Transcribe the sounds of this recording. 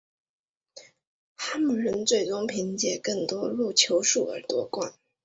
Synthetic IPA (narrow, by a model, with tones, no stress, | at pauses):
xa˥mu˨˩ɻə˧˥nt͡swe˥˩ɪt͡sʊ˥ŋpʰi˧˥ŋt͡ɕjɛ˨˩kɤ˥˩ŋt̪wɔ˥lu˥˩t͡ɕʰjo˧˥ʊʂu˥˩ə̰˞˧˥t̪wɔ˥kwa̰˥˩n